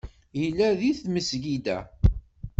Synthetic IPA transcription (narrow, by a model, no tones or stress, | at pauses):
jəlːæðiθməsʝid̪æ̰